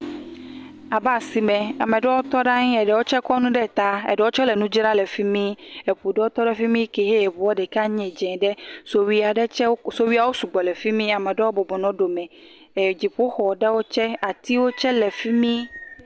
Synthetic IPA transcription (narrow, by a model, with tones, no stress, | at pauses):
a˨ba˨si˨mɛ̃˨a˨mẽ˨ɖɛ˦wo˦t̪ɔ˦ɖa˦ɲĩ˦ɛ˨ɖɛ˨wo˦t͡ʃɛ˦kɔ˦nũ˦ɖɛ˦˨t̪a˦ɛ̰˨ɖɛ˨wo˦t͡ʃɔ˦lɛ˨nũ˦d͡ʒɾa˦lɛ˨fi˦mĩ˦e˨ɸu˨ɖɛ˦wo˦t̪ɔ˦ɖɛ˦fi˦mĩ˦ke˨ɦe˦e˨bu˨wo˦ɖɛ˨ka˦ɲɛ̃˨d͡ʒɛ̃˨ɖɛ˦so˨wi˦a˨ɖɛ˦t͡ʃɛ˦so˦wi˦a˨wo˦su˨ɡ͡bɔ˨lɛ˨fi˦mĩ˦a˨mẽ˨ɖɛ˦wo˦bɔ˨bɔ˨nɔ̃˨ɖo˨mɛ̃˨ | e˨d͡ʑi˨ɸu˦xɔ˨ɖɛ˦wo˦t͡ʃɛ˦a˨t̪i˦wo˦t͡ʃɛ˦lɛ˨fi˦mĩ˦